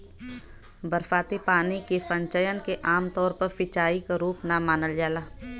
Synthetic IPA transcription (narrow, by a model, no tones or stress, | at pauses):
bəɾfaːt̪epaːnikepə̃ɲt͡ʃəjənkeʔaːmt̪ɔːɾpɐɾfɪt͡ʃaːikaɾuːpnamaːnəld͡ʒaːlaː